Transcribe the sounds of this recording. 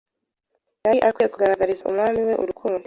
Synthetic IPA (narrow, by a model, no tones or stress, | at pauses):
jaiʔakwijekuɡaɾaɡaɾizaṵmŋaːmiwe̞ʔuɾukʰuːndu